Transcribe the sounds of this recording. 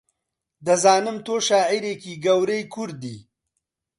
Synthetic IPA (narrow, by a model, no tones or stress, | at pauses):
d̪əzɑːnɪmt̪oʃɑːiɾekiɡɐwɾejkʰuɾd̪i